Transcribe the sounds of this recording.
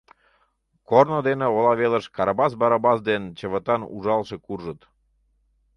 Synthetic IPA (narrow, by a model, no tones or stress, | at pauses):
kornod̪eneolɑβeləʃkɑɾɑbɑsbɑɾɑbɑsd̪ent͡ɕəβət̪ɑnṵʒɑlʃekurʒət̪